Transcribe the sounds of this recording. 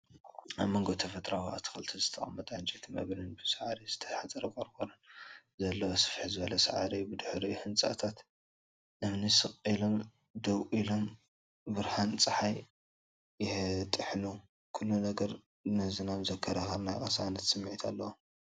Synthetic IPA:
aβmoŋɡot̪ʰɐfɐt̪ʼɾawa̰t̪ʰɨ̥xɨlt̪ʰizɨt̪ʰɐχʼɐmːɐt̪ʼʕant͡ʃʼit̪ʰimɐ̰βnɨnbɨsɐʕaɾizɨt̪ʰɐ̥ħat͡sʼɐɾɐkʼɐɾkʰoɾɐnzɐlːɐwosɨ̥fħizɨβɐlɐsa̰ʕaɾibɨd̪ɨħɾihɨnt͡sʼa̰t̪ʰat̪ | ʔɨmnisɨχʼilo̞m | d̪ɐwilo̞m | bɨɾhant͡sʼɨħaj | jɪhɨt̪ʼɨħnu | kʰulːunɐɡɐɾ | nɨhzɨnamzɐkʰːɐɾɐxɐɾnajkʼɐsanɐt̪sɨmːʕit̪ʰalːɐwo

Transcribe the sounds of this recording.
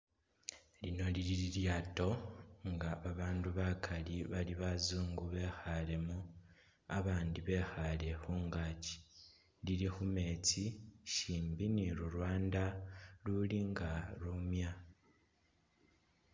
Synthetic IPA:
lino̞liɾiɾiɾjaːto̞ŋɡaβaβaːnduβakʰaliβaliβazuːŋɡuβe̞ːxale̞mu | aβaːndiβe̞ːxale̞xuːŋɡaːci̥ | liɾixume̞t͡siʃiːmbiniɾuɾwaːndaluliŋɡaɾumja

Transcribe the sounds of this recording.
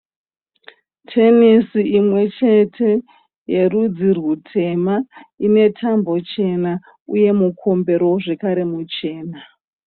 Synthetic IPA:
tʰe̞nisiimwe̞t͡ʃe̞tʰe̞ | je̞rud͡zirwutʰe̞maine̞tʰambo̞t͡ʃe̞na | uje̞mukʰo̞mbe̞ɾo̞ʐe̞kaɾe̞mut͡ʃe̞ːna

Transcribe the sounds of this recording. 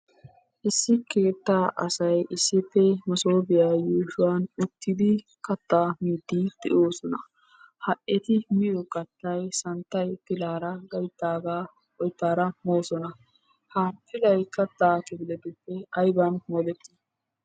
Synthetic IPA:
ʔɪsːɪke̞ːt̪ːaːʔɐ̰sɐjɪsːɪpːɛmɔsoːbɪjaːjuːʃʊwanʊt̪ːɪd̪ɪ | kɐt̪ːaːmiːd̪ːid̪̥ɛ̰ʔo̞ːsɔnɐ | hɐʔɛt̪ɪmɪjɔkɐt̪ːɐjsɐnt̪ːɐjpɪlaːɾɐɡɐjt̪ːaːɡaː | ɔjt̪ːaːɾɐmoːsɔnɐ | hɐp̪ɪlɐjkɐt̪ːaːkɪbɪlɛt̪ʊpːɛɐjbɐnmod̪ɛt̪ːɪ

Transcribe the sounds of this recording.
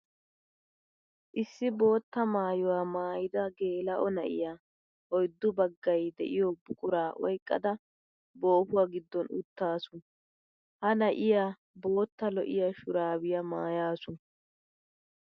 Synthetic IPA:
ʔɪsːɪbo̞ːt̪ːɐmaːjʊwaːmaːjɪd̪ɐɡe̞ːlɐʔɔnɐʔɪ̰jaː | ɔjd̪ːʊbɐɡːɐjd̪ɛ̰ʔɪjoːbʊkʼʊɾaːʔɔ̰jkʼːɐ̰d̪ɐ | bo̞ːpʊwaːɡɪd̪ːɔnʊ̰t̪ːaːsʊn | hɐnɐʔɪjaː | bo̞ːt̪ːɐlɔʔɪ̰jɐʃʊɾaːwɪjɐmaːjaːsʊn

